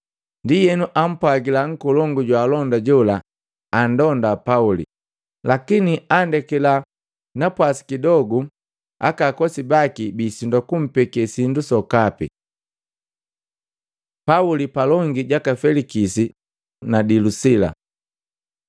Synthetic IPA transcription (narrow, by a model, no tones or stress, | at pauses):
ndijɛnuʔam̩pwaɡilaŋ̩kɔlɔŋɡuɟwaːlɔndaɟɔlaː | ndɔndapaulḭ | lakiniandɛkɛla | napwasi̥kidɔɡu | a̰kakɔsibakibiːsindakum̩pɛkɛsindusɔkapḭ | paulipalɔŋɡiɟakafɛlikisi | nadilusila̰